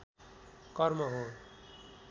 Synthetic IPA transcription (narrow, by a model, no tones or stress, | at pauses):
kʌrmʌɦõ